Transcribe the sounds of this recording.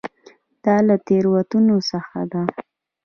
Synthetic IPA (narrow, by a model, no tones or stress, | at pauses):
d̪̥ɑlat̪eɾwat̪unosəxad̪a